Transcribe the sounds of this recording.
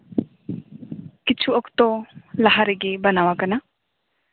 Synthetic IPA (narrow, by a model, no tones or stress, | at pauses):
kit͡ʃʰuɔkt̪ɔlaɦaɾeɡebɐnawakana